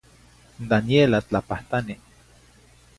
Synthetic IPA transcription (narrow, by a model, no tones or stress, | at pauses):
nd̪anjelat͡ɬapaht̪ani